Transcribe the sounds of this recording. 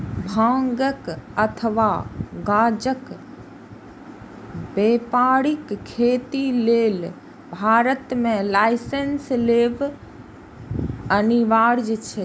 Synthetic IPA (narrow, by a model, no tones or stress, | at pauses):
bʱãːŋɡəkət̪ʰəʋaɡaːd͡ʒək | beːpaːɽikʰːeːt̪ileːl | bʱaːɾət̪mẽlaɪsensleːʋ | əniʋaɾd͡ʒt͡ʃʰe